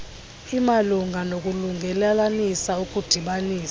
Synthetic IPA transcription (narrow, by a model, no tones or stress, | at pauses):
imaluŋʱanok̬ʼuluŋɡʱɛlɛlanisaukʼud̥ʱiɓaniːs